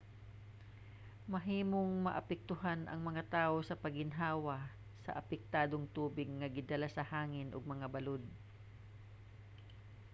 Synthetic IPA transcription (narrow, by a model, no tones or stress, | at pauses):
mɐɦiːmoŋmɐ̰ʔɐpɛk̚t̪ʊɦanʔɐ̰ŋmɐŋat̪aːʔosɐpɐɡɪnɦaːwɐ | sɐ̰ʔɐpɛk̚t̪aːd̪oŋt̪uːbɪɡ̚ŋɐɡɪd̪ɐlasɐhaːŋɪnʔoɡ̚mɐŋabɐlod̪̚